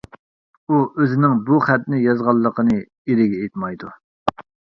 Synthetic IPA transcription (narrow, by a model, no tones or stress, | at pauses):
uøzɪnɪŋbuχɛt̪̚nɪjɑzʁɑlˠːəqʰənɨ | eɾɪɡʲɛet̪mɑjd̪u